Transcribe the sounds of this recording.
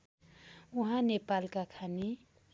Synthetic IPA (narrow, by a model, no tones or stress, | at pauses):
uɦãnepalkakʰani